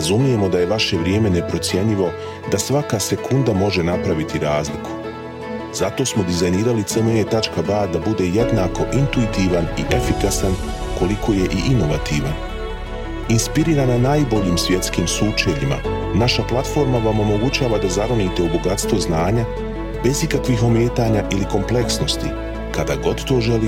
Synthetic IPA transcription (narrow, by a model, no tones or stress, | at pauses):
ɾazumije̞mo̞d̪aje̞ʋaʃe̞ʋɾʲje̞ːme̞ne̞pɾo̞t̪sʲje̞ɲiʋo̞ | d̪asʋakase̞kund̪amo̞ʒe̞napɾaʋit̪iɾaːzlikʰu̥ | z̥at̪o̞ːsmo̞d̪izajniːɾalit̪semejet̪at͡ʃkabaːd̪abud̪e̞je̞d̪naːko̞ʔint̪uit̪iːʋaniʔe̞fikasan | ko̞likʰo̞ːje̞ʔiʔino̞ʋat̪iːʋan | inspiɾiːɾananaːjbo̞ʎiːmsʋʲje̞t̪skiːmsuːt͡ʃeʎima̰ | naʃaplˠat̪fo̞ːɾmaʋa̞mo̞mo̞ɡut͡ɕaːʋad̪azaɾoniːt̪eubo̞ɡat̪st̪ʋo̞znaːɲa | be̞zikakʋixo̞mje̞ːt̪aːɲaːʔiliko̞mple̞ksno̞st̪ḭ | kad̪aɡo̞d̪t̪o̞ːʒe̞li